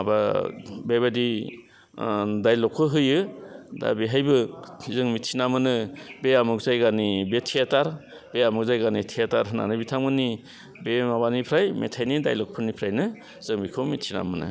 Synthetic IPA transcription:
ababebadi | dajlɔkʰːɯɦɯjɯda̰biɦajbɯzɯŋmitʰinamɯnɯbeamuk̚zajɡanibetʰiataɾ | b̥eamuk̚zajɡanitʰiataɾɦɯna̰nɯbitʰamɡɯni | bemabanipʰɾajmḛtʰajnida̰jlɔk̚pʰɯnipʰɾajnɯ | z̥ɯŋbikʰɯmitʰina̰mɯnɯ̰

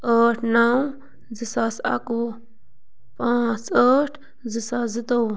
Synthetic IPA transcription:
əʈʰnaw | zisasa̰ku | pãt͡səʈʰ | zisazit̪aw

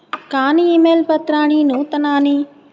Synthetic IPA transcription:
kaːniiːmeːlpɐt̪ɾaːɽ̃iːnũːt̪ɐnaːniː

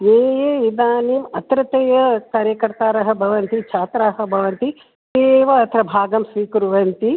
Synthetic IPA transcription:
jeːjeid̪aːniːmɐt̪ɾɐt̪ɐjɐkaːɾjɐkɐɾt̪aːɾɐɦɐ̆bʱɐʋɐnt̪it͡ʃʰaːt̪ɾaɦɐ̆bʱɐʋɐnt̪i | t̪eːʋɐːt̪ʰɐɾɐbʱaːɡɐmsʋiːkuɾuʋɐnt̪i

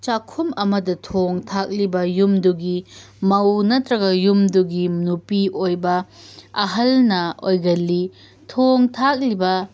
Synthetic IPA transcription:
t͡ʃakʰumɐmɐdɐtʰoŋtʰak̚libɐjumduɡimɐwnɐtɾɐɡɐjumduɡinupiʔojbɐɐɦɐlnɐojɡɐlːi | tʰoŋtʰak̚libɐ

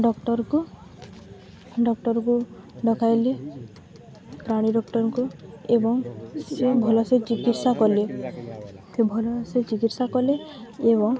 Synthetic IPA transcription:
ɖɔkʈɔɾku | ɖɔkʈɔɾkuɖɔkʰajle | pɾaɽ̃iɖɔkʈɔɾɔkuebɔŋsebʱɔlɔset͡ʃikitsakɔle | sebʱɔlɔset͡ʃikitsakɔleeβɔŋ

